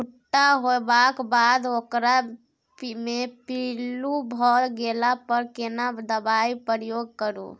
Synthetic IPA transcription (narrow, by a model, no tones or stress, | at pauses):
uʈːaɦoebakbad̪okɾa | pmepilubʱɔɾɡelapəɾkenad̪əbaipɾjoɡ̚kəɾṵ